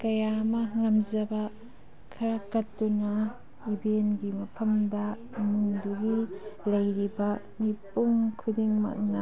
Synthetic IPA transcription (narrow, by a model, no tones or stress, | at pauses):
kɐjamɐŋɐmzɐbɐ | kʰɐɾakɐtːunɐ | ibenɡimɐpʰɐmdɐ | imuŋduɡilɐjɾibɐ | mipuŋkʰudiŋmɐ̰k̚nɐ